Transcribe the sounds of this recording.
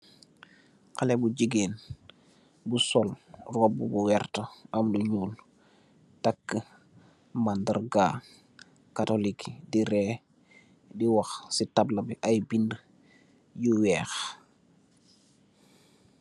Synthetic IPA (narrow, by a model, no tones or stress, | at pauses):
kalebuɟiɡeːn | busɔlrobːubuwɛɾtəɐmluɲuːl | takːə | mandəɾɡa | katolikdiɾɛː | diwaxsitablɐbiʔajbind | juwɛːx